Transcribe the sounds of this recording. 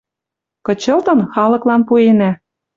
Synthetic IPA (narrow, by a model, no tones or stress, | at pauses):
kɤ̆t͡ɕɤ̆lt̪ɤ̆nxɑlɤ̆klɑnpuenæ